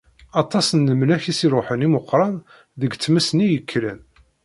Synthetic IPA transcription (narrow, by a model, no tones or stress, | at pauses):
ɑt̪ˤːɑsənləmnæçisiɾˤʊħənimʊqːɾˤɑn | ðəɡt͡sːmæsnijəkʰːlən